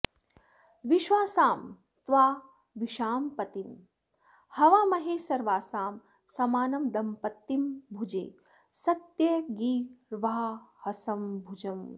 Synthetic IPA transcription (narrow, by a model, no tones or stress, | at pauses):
ʋiʃʋaːsaːm | t̪ʋaː | ʋiʃaːmpɐt̪im | hɐʋaːmɐɦeːsɐɾʋaːsaːm | sɐmaːnɐmd̪ɐmpɐt̪ːimbʱud͡ʒḛː | sɐt̪jɐɡiːɾʋaːhɐsɐmbʱud͡ʒɐm